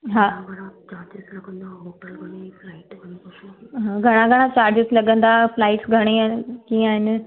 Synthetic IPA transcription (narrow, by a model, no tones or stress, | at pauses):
ɦaːɡʱɐɽ̃ãt͡ɕaːɾd͡ʒɪzlɐɡə̃nd̪aoɡʱɐɽ̃eflaːɪʈɡʱɐñoɦaːɡʱɐɽ̃ãɡʱɐɽ̃ãt͡ɕaːɾd͡ʑɪslɐɠə̃nd̪aflaːɪʈsɡʱɐɽ̃ekiːə̃aːɦɪnɪ̆